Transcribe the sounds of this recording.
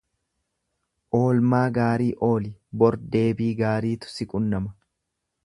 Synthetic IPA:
ʔo̞ːlmaːɡaːɾiːʔo̞ːlɪbɔɾd̪e̞ːbiːɡaːɾiːt̪ʊ̥sɪkʼʊnːɐmɐ

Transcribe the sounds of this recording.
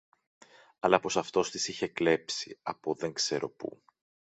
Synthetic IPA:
ɐlɐpo̞sɐft̪o̞st̪isiçe̞kle̞psḭɐpoðe̞ŋkse̞ɾo̞pṵ

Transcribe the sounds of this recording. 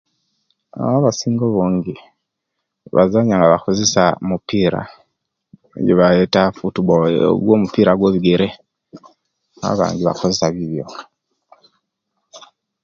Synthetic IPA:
a̰βaβasiːŋɡoβoːɲɡi | βa̰zaɲaŋɡaβako̞zesamupiːɾa̰ | ɟeβaetafutuβo̰ɡwomupiːɾaɡweːβiɡe̞ɾe | a̰βa̰ːɲɟiβa̰ko̞zesaβiβjo̞̰

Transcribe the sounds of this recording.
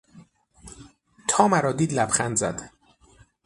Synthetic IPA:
t̪ʰɒːmæɾɒːd̪iːd̪læbxænd̪zæ̰d̪

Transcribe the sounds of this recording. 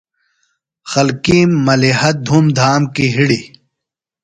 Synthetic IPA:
xɐlkĩːmːɐlihɐd̪ʱumd̪ʱaːmkiɦiɽi

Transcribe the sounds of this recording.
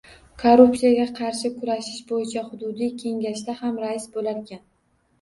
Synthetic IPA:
kʰoɾupsijaɡʲaqʰɑɾʃɪkʰʊɾaʃɪʃbojɪt͡ʃʰahʊd̪ʊd̪ijkʲʰe̞ŋɡʲaʃd̪ahamɾaɪsbolaɾekʲan

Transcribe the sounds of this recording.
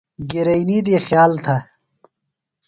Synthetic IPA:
ɡiɾɐinid̪iːxjaːlt̪ʰɐ

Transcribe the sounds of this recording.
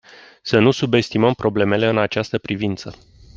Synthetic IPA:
sənusube̞st̪iməmpɾo̞ble̞me̞le̞ɨnat͡ʃast̪əpɾivint̪sə

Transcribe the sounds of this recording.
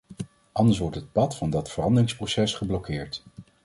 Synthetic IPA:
ʔɑndəɹs̬ʋɔɹtɦət̚pɑtfɑndɑtfərɑndərɪŋsprosɛsχəblɔkɪːɹt

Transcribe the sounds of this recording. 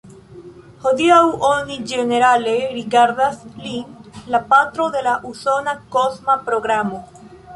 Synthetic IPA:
hoðiawʔonid͡ʒeneɾaleɾikaɾðasliŋlapat̪ɾoðelaʔusonakosmapɾoɣɾamo

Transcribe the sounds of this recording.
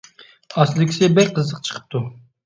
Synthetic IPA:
ɑslˠɪkʲʰɪ̥sɪbɛk̚ʲqʰəzəqt͡ʃʰə̥qʰə̥p̚t̪ʰu

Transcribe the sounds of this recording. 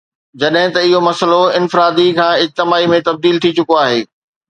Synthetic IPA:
d͡ʑɐɗɦɪ̃t̪ɐɪɦomɐsəloɪnfɪɾaːd̪ikʰãːɪd͡ʑ̚t̪ɪmaːimẽt̪ɐb̚d̪iːlt̪ʰit͡ɕʊkoaːɦeː

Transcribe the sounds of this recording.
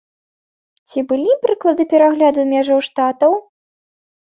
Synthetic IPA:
t͡sʲibɨlʲipɾɨklˠɐd̪ɨpʲɛɾaɣlʲad̪umʲɛʐɐwʂt̪at̪ɐw

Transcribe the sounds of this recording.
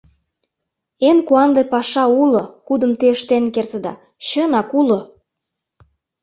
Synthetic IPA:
enkuɑnd̪epɑʃɑulŏkud̪ə̆mt̪eəʃt̪enkert̪ə̆d̪ɑ̰ | ɕɤnɑkulŏ

